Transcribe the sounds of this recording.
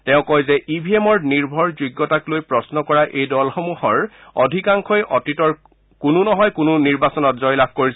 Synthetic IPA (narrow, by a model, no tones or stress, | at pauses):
tɛʊ̃kɔjzɛʔibʱiemɔɹniɹbʱɔɹzuɡːɔtaklojpɹɔsnɔkɔɹaʔejdɔlxɔmuhɔɹɔdʱikaŋkʰɔjʔɔtitɔɹ | kununɔɦɔjkʊnuniɹbasɔnɔtzɔjlab̚ʱkoɹis